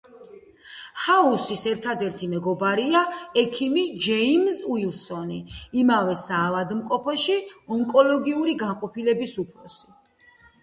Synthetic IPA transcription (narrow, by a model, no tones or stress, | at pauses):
hausisɛɾt̪ʰad̪ɛɾt̪ʰimɛɡɔbaɾiaɛkʰimid͡ʒɛimzuilˠsɔniːmavɛsaːvad̪mqʼɔpʰɔʃiɔŋkʼɔlɔɡiuɾiɡanqʼɔpʰilɛbisupʰɾɔsi̥